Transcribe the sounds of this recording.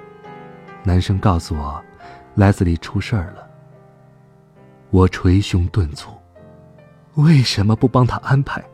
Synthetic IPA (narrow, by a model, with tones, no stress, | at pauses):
na˧˥nʂɤ˥ŋkɑ˥˩ʊsu˨˧wɔ˨˩la˧˥ɪt͡sɹ̩˥˩li˨˩ʈ͡ʂʰu˥ʂə˞˥˩lə˩ | wɔ˨˩ʈ͡ʂʰwe˧˥ɪɕjʊ˧˥ŋt̪wə˥˧nt͡sʰu̥˥˩˦ | we˥˩ɪʂə˧˥nmə˧pu˥˩pɑ˥ŋt̪ʰa˥ʔa˥npʰa˧˩˦ɪ